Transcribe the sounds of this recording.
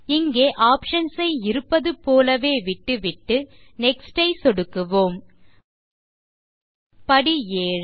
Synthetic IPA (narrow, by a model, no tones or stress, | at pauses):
ɪŋɡeːʔaːpʂɐnsɐɪɪɾɯpːɐðɯpoːlɐʋeːʋɪʈːɯʋɪʈːɯnɛksʈɐɪsɔɽɯkːɯʋoːm | pɐɽijeːɻ